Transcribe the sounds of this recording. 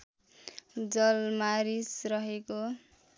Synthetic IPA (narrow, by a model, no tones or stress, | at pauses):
d͡zʌlmaɾisrʌɦeko